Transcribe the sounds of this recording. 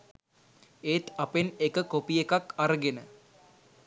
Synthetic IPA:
eːt̪apenekəkopijekakaɾəɡenə

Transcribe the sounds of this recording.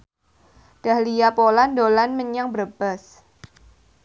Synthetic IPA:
d̥ahlijapolandolanməɲaŋbərb̥as

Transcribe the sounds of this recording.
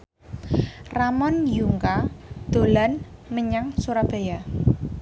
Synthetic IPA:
ramɔnjuŋkad̪̥o̤lanməɲaŋsuɾab̥a̤ja

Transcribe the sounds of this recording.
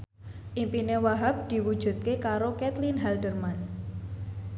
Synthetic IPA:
ʔimpinewaɦap̚d̪̥i̤wud̥ʒ̥ṳt̪̚kekaɾokɛt̪linɦɛlɖərman

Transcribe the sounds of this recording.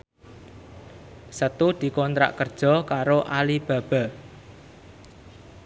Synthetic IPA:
sət̪ud̪̥i̤kɔnt̪ɾa̰ʔkərd̥ʒ̥ɔ̤kaɾoʔalib̥ä̤b̥a̤

